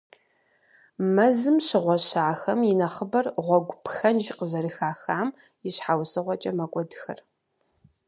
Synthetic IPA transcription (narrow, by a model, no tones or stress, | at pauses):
mɐzɨmɕɪʁʷɔɕaːxɐmjɪnɐχəbɐrʁʷɔɡʷpxɐnʒiqəzɐɾɨxaːxaːm | jɪɕħawsɨʁʷɔt͡ʃʼɐmɐkʷʼɔdɨxɐ̰r